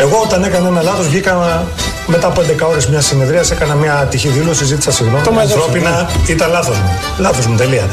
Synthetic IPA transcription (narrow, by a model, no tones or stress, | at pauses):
e̞ɣo̞ot̪ɐne̞kɐnɐenɐlɐθo̞zvʝikɐnɐ | me̞t̪ɐpoend̪e̞kɐo̞ɾe̞zmɲɐsineðɾiɐse̞kɐnɐmɐt̪içiðilo̞sizit̪i̥sɐsiɣnt̪omɐɾopinɐit̪ɐlɐθo̞zmu | lɐθo̞zmut̪e̞liɐ